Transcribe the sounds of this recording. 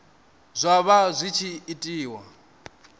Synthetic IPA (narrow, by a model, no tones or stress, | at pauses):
zʷaβazʷit͡ʃʰiːtʼiːwa̰